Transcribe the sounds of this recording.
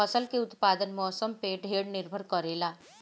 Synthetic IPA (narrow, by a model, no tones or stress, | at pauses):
ɐsəlkeʊt̪paːd̪ənmɔːsəmpeɖʱeːɽnɪɾbʱəɾkəɾeːlaː